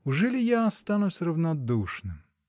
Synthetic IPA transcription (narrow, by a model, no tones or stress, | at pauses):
ʊʐɛlʲijaːst̪ɑnʊsʲrɐwnɐd̪uʂnɪm